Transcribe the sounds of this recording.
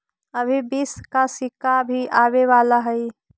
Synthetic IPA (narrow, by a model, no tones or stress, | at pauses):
əbʱibiːskasɪkabʱiʔaːweʋaːlaɦɛi